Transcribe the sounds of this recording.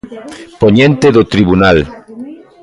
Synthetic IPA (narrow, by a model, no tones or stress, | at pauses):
poɲẽnt̪eðot̪ɾiβunal